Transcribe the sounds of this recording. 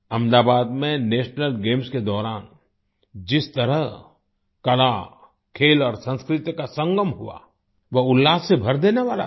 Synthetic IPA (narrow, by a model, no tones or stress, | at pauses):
ɐ̃md̪aːbaːd̪mẽneːʃnəlɡeːmsked̪ɔːɾaːn | d͡ʒɪst̪ɐɾəɦ | kɐla | kʰeːlɔːɾsə̃nskɾɪt̪jkasə̃ŋɡəmɦua̰ | ʋɐʊlːaːsebʱɐɾd̪eːneʋaːla̰